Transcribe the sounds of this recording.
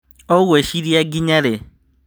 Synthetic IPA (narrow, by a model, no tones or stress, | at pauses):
oɣweʃiɾiaɡiɲaɾe